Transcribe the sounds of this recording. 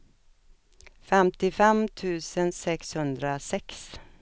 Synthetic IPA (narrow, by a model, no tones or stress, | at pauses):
fɛmt̪ɪfɛmt̪ʰʉ̟ːsənsɛkshɵnd̪ɾasɛks